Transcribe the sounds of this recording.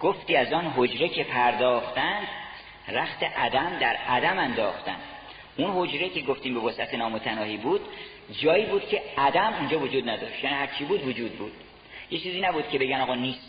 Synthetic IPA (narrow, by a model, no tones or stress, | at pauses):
ɡ̥oft̪iːæzɒːnɦod͡ʒɾe̞cʰe̞pʰæɾd̪ɒːχt̪ænd̪ | ɾæxt̪ʰe̞ʔæd̪æmd̪æɾæd̪æmænd̪ɒːxt̪æ̰nd̪̥ | ʔunho̞d͡ʒɾecʰe̞ɡoft̪iːmbevɒsʔæt̪ʰenɒːmot̪ʰænɒːhiːbuːd̪̥ | d͡ʒɒːiːbuːd̪̥cʰe̞æd̪æmund͡ʒɒːvod͡ʒuːd̪næd̪ɒːʃt̪jæːniːhæɾt͡ʃʰiːbuːd̪vod͡ʒuːd̪̚buːd̪̥ | jet͡ʃʰiːziːnæbuːd̪̥̚cʰʲe̞be̞ɟænɒːɣɒːniːst̪